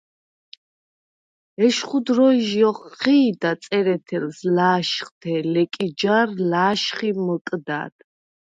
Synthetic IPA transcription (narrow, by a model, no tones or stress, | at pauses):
ɛʃχud̪ɾɔʒiɔχiːd̪at̪sʼɛɾɛt̪ʰɛlslaːʃχt̪ʰɛlɛkʼid͡ʒarlaːʃχiməkʼd̪a̰ːd̪̥